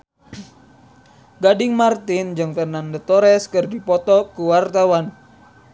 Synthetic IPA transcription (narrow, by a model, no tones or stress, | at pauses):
ɡadɪŋmart̪ɪnd͡ʒɨŋfənandət̪ɔɾɛskɨrdipɔt̪ɔkuwart̪awan